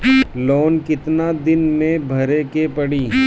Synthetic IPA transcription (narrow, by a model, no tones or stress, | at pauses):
loːnkɪt̪nad̪ɪnmẽbʱɐɾekepɐɽiː